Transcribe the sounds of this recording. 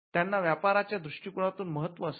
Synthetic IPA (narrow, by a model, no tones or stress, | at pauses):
t̪janːaʋjapaɾat͡ɕjad̪ɾuʂʈikuɽ̃at̪uːnməɦət̪ʋəəs